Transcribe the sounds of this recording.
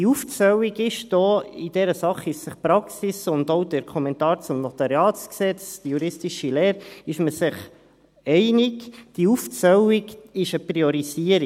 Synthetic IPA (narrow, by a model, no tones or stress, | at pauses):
iuft͡sœwiɡɪʃd̥oːid̥ɛɾəsɑχɪssəχpɾɑksisʊndoʊdəɾkʰɔmɛntɑːɾt͡sʊmnɔt̪ɑɾjɑːt͡sksɛt͡sd̥əjuɾɪstiʃileːɾɪʃməsɪχ | ɛɪnɪkd̥iuft͡sœwikɪʃəpɾiɔɾiziəɾi